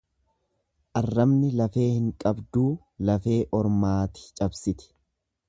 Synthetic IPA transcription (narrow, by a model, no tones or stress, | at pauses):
ʔɐrːɐmnɪlɐfe̞ːhɪŋkʼɐbd̪uː | lɐfe̞ːʔɔɾmaːt̪ɪ̥t͡ʃʼɐbsɪt̪ɪ̥